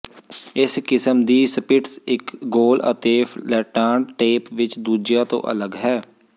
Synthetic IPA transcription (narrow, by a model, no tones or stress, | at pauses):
ɪskɪsəmd̪iːsəpɪʈsɪkɡoːlə̰t̪eːfʰlɛːʈaːɳʈeːpʋɪt͡ʃd̪uːd͡ʒjaːt̪õ̰ːʔə̰ləɡɦɛː